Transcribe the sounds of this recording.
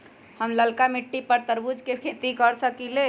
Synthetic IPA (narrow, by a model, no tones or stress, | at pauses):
həmləlkamiʈːipəɾt̪əɾbud͡ʒkekʰet̪ikəɾsəkile